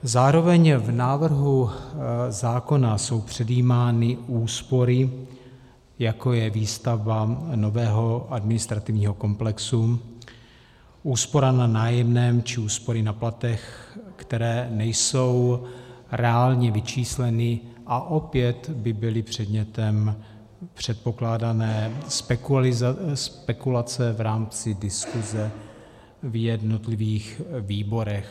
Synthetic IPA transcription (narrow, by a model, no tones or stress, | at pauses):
zaːɾo̞vɛɲvnaːvr̩ɦu | zaːko̞naso̞wpr̝̥ɛdjiːmaːnɪuːspo̞ɾɪ | jako̞jɛviːst̪avano̞vɛːɦo̞ʔadmɪnɪst̪ɾat̪ɪvɲiːɦo̞ko̞mplɛksu | ʔuːspo̞ɾananaːjɛmnɛːmt͡ʃɪuːspo̞ɾɪnaplat̪ɛxkt̪ɛɾɛːnɛjso̞w | ɾɛaːlɲɛvɪt͡ʃiːslɛnɪ | ʔaʔo̞pjɛt̪bɪbɪlɪpr̝̥ɛd̪ɲɛt̪ɛm | pr̝̥ɛt̪̚po̞klaːdanɛːspɛkɪzspɛkulat͡sɛvɾaːmt͡sɪdɪskuzɛ | vjɛdno̞t̪lɪviːxviːbo̞ɾɛx